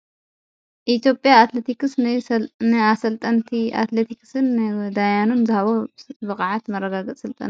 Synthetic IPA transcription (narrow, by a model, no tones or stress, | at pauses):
ʔit̪ʰjo̞pʼjaːt̪let̪ʰikɨsɨnɨasɐlt̪ʼɐnt̪ʰia̰t̪let̪ʰiksɨnd̪ajanunzɨhɐβobɨkʼaʕat̪mɐrːɐɡaɡɐt͡sʼsɨlt̪ʼɐ̰n